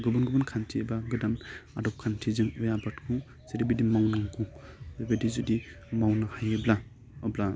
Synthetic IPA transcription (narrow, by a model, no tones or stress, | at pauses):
ɡɯbɯnɡɯbɯnkʰantʰiebaɡɯdama̰dɔp̚kʰantʰizɯŋɯjabatkʰu | zeɾibidimawnaŋɡʰuzebedizudi | mawnahajɯbla | ɯbla